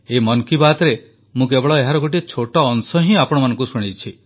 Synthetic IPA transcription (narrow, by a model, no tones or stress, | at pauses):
emɔnkibat̪ɔɾe | mũk̬ebɔɭɔeɦaɾɔɡoʈ̬iet͡ʃʰoʈɔːnsɔɦĩapɔɽ̃ɔmanɔ̃ŋkusuɽ̃it͡ʃʰi